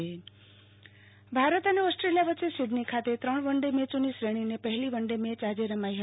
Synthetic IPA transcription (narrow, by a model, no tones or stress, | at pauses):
e | bʱaɾət̪əneɔsʈɾelijaʋətːt͡ʃːesiɖnikʰat̪et̪ɾəɳ̃ʋəɳɖemet͡ʃonisɾeɽ̃inepəɦeliʋəɳɖemet͡ʃad͡ʒeɾəmaiɦ